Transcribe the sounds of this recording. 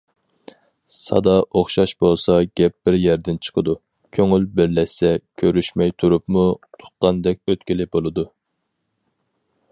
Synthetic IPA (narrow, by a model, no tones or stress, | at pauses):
sɑ̰d̪ɑʔoχʃɑʃbolˠsɑɡʲɛp̚b̥ɪɾjɛɾd̪ɪnt͡ʃʰə̥qʰəd̪u | kʲʰøŋylbɪɾlɛʃsɛkʲʰøɾyʃmɛjt̪ʰuɾupmut̪ʰʊ̥qqːɑnd̪ɛk̚ʲøt̪kʲilɪbolˠɨd̪u